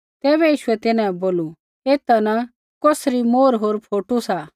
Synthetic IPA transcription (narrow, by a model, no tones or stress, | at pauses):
t̪ɛːβɛjiːʃʊɛt̪ɪnãboːlu | eːt̪ana | koːsɾimoːɾɦoːɾpʰoːʈusa